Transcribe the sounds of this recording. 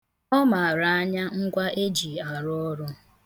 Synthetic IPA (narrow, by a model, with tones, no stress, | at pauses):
ɔ˦ma˨a˨ɾa˨a˦ɲa˦ŋ̩˦ɡʷa˦ʔe˦d͡ʒi˨a˨ɾʊ˦ɔ˦ɾʊ˦